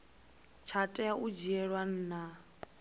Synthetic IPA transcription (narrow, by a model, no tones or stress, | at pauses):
t͡ʃʰatʼɛaʔud͡ʒiɛɺwan̩ːna